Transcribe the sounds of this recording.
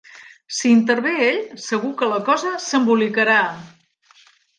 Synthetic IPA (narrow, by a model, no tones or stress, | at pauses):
siːnt̪əɾβeeʎsəɣukələkɔzəsəmbulikəɾa